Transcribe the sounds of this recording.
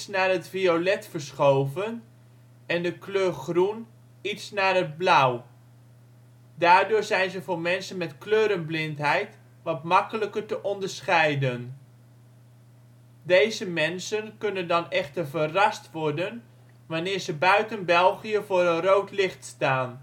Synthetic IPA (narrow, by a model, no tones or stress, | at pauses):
snaːrɦətfiolɛtfəɹsχowvən | ɛndəkløːɹχrun | itsnaːrɦəd̚blaw | daːɹdʊːɹzɛjnzəvʊːɹmɛnsənmɛtkløːɾənblɪntɦɛjt | ʋɑtmɑkələkəɹtəʔɔndəɹsχɛjdən | dejzəmɛnsənkɵnəndɑnɛχtəɹvərɑstʋɔɹdən | ʋanɪːɹzəbœɥtənbɛlˠχiəvʊːɾənrowtlɪχtstaːn